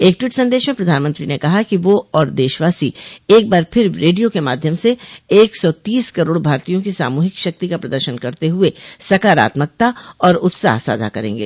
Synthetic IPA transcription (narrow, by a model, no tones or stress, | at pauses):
eːk̚ʈwiːʈsɐ̃nd̪eːʃmẽpɾɐd̪ʱaːnmə̃nt̪ɾinekɐɦakiʋoɔːɾd̪eːʃʋaːsieːk̚baːɾpʰɪɾɾeːɖijokema̰ːd̪ʱjəmseeːksɔːt̪iːskɐɾoːɽbʱaːɾt̪ijõkisa̰ːmuːɦɪkʃɐk̚t̪ikapɾɐd̪əɾʃənkɐɾt̪eɦʊesɐkaːɾa̰ːt̪mək̚t̪aɔːɾʊt̪sa̰ːɦsa̰ːd̪ʱa̰kɐɾḛ̃ːŋɡḛː